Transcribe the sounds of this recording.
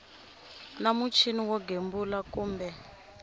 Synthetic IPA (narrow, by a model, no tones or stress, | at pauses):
namut͡ʃʰiniwɔɡembulakuːmbɛ